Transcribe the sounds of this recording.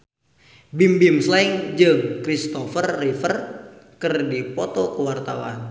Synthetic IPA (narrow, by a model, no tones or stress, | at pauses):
bimbimslaiŋd͡ʒɨŋkɾist̪ɔfərːifərkɨrdipɔt̪ɔkəwart̪a̰wa̰n